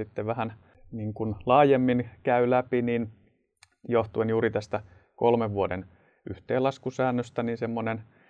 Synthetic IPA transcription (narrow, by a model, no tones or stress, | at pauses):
it̪ːeʋʋæhæn | niːŋkunlɑːjemːinkæylæpinin | joht̪uenjuːɾit̪æst̪æ | kolmeʋʋuoden | yht̪eːlɑskusæːnːøst̪æninsemːonen